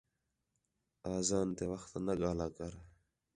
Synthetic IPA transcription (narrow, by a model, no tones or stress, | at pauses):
aːzaːnt̪eːʋəxt̪nəɠaːlaːkəɾ